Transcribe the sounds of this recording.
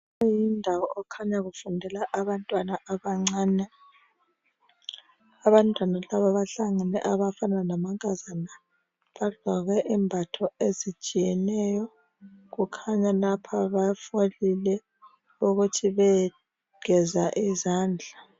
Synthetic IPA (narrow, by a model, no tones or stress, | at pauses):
jindʱawɔʔːkʰaɲaɣufundʱɛlaʔaβantʼwanaʔaβaŋ͡ǀaːnɛ | aβantʼwanalaβaβaɬaŋanɛ̰ʔaβafananamaŋʱʼazana | βaɮ̥ʱaɣɛʔimbʱatʰɔezit͡ʃʼijɛnɛjɔ | ɣukʰaɲalapʰaβafolilɛ | uɣutʰiβɛ | ɡ̥ʱɛzaʔizaːnd͡ɮʱa